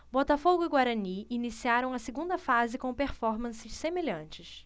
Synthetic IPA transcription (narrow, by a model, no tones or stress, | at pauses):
bɔt̪ɐfoɡʊiɡwaɾɐniinisiaɾɐ̃w̃ɐseɡũnd̪ɐfazɪkõpeɾfɔɾmɐ̃sɪʃsemeʎɐ̃nt͡ʃɪs